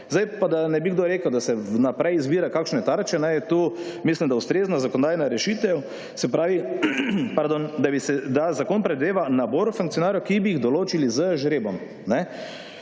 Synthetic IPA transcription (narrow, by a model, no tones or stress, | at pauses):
zajpad̪anɛbiɡd̪oɾeːkəwd̪asɛnapɾɛjizbiːɾakaːkʃnɛt̪aɾt͡ʃɛnɛjɛt̪uːmislimd̪aʊst̪ɾeːznazakoɔnod̪aːjnaɾɛʃit̪ɛw | sɛpɾaːʋi | paɾd̪ond̪abisɛd̪azakoːnpɾɛd̪eːʋanaboːɾufuŋkt̪ijɔnaːɾjɔkibiiɣd̪ɔloːt͡ʃilizəʒɾeːbɔm | nɛ